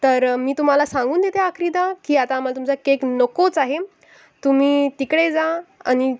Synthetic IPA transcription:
t̪əɾmiːt̪um̤alasãŋɡuːnd̪et̪eakʰɾid̪akiːat̪aːm̤alat̪umt͡sakeknəkot͡saɦe | t̪um̤iːt̪ikɽed͡zaa̰ñi

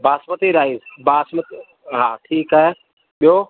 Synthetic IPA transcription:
baːsmət̪iɾaːizbaːsmət̪ | ɦãːʈʰiːkaɦe | ɓɪjoː

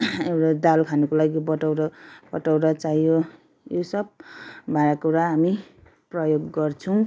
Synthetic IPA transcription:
ewɾad̪alkʰanʌkolaɡibʌʈʌwɾapʌʈawɾat͡sajjo | josʌb̚bʱaɾakuɾaɦami | prʌjoɡːʌrt͡sʰʌw̃

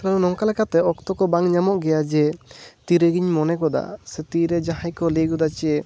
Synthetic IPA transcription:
klanunɔŋkalɛkʰat̪ɛɔkt̪ɔkɔbaŋɲamɔʔɡɛjad͡ʒɛt̪iɾəɡiɲmɔnɛkɔd̪a̰sɛt̪iɾɛd͡ʒaɦãjkɔliɡud̪at͡ʃie

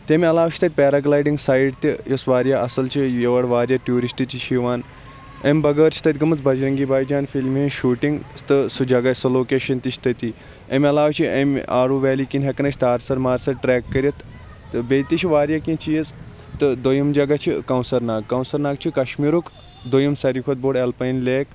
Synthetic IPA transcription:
t̪ʲemʲɐlaːʋt͡ʃʰt̪ɐt̪̚ʲpeːɾaɡlaːjɖiŋɡsaːjiɖt̪ijɐsʋaːɾjaʔɐsɐlt͡ʃʰijeʋɐɽʋaːɾʲjaʈjuːɾisʈit͡ʃiʃʰiʋaːn | emʲbɐɡəːɾt͡ʃʰi̥t̪ʰɐt̪ʲɡɐmɨt͡sbɐd͡ʒɾɐŋɡiːbaːjd͡ʒaːnfilmɦĩʃuːʈiŋɡst̪ɨsud͡ʒɐɡasɐloːkeːʃɐnt̪it͡ʃʰt̪ɐt̪i | emʲɐlaːʋt͡ʃʰiḛmʲaːɾuːʋɛːliːkinɦekɐnɐt͡ʃʰt̪aːɾsɐɾmaːɾsɐɾʈɾɛːkːɐɾjɐt̪ | ɨbet̪it͡ʃʰiʋaːɾjaːkĩt͡ʃʰijɐz | t̪ɨd̪ojɐmd͡ʒɐɡɐt͡ʃʰikɐwnsɐɾnaːɡkɐwnsɐɾnaːɡt͡ʃʰikɐʃmiɾuk | d̪ojɐmsɐɾikʰot̪̚boːɽelpɐjnleːk

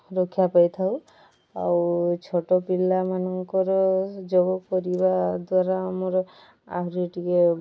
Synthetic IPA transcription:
ɾɔkʰijapajt̪ʰaw | a̰wt͡ʃʰoʈɔpilːamanɔŋkɔɾɔd͡ʒɔɡɔkɔɾibad̪waɾaamɔɾɔ | a̰ɦɾieʈike

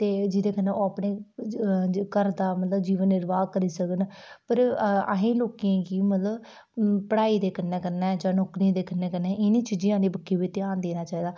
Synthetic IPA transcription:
t̪eːd͡ʒɪd̪eːkənːẽːoːəpɳeː | kəɾd̪aːmət̪ləbd͡ʒiːʋənːɪɾʋaːkəɾiːsəkən | pəɾa̰ɦẽːloːkijãːɡiːmət̪ləb | pəɽaːiːd̪eːkənẽːkəɾnɛːd͡ʒãːnoːkɾĩːd̪eːkənːẽːkəɾnẽːɪnĩːt͡ʃid͡ʒiãːniːbəkːiːʋiːt̪ɪjaːnd̪eːnaːt͡ʃaːiːd̪aː

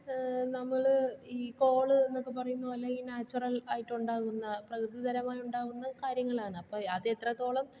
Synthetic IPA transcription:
nɐmːɐɭiːko̞ːɭɨe̞nːo̞kːɨpɐrɐjunːuʋɐlːɐiːnaːt͡ɕːɐrɐlaːjiʈːuɳɖaːɣunːɐprɐkɾɨd̪iðɐɾɐmaːjuɳɖaːɣunːɐkaːɾjɐŋːɐɭaːɳɨɐpːoːɐðet̪rɐt̪ːo̞ːɭɐm

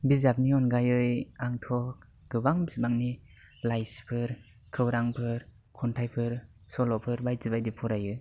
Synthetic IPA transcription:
bizap̚niɔnɡajɯjaŋtʰɔk̚ | ɡ̥ɯbaŋbisbaŋni | lajspʰɯɾ | kʰɯwɾaŋpʰɯɾ | kʰɔntʰajpʰɯɾ | sɔlɔpʰɯɾbajzɯbajdipʰɔɾajɯ

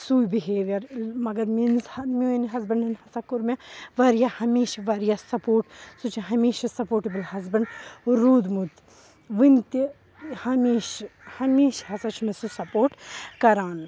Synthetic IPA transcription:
suːjbiɦeːʋɐɾmɐɡɐɾminzhɐmʲoːinɦɐzbɐnɐnhɐsakʊɾmẽʋɐɾjahɐmeːʃʋɐɾjasɐpoːʈsut͡ʃʰiɦɐmeːʃasɐpoːʈibəlhɐzbɐɳɾuːd̪mut̪ | ʋɨnt̪i | hɐmeːʃhɐmeːʃɦɐsat͡ʃʰunɐsusɐpoːʈkɐɾaːn

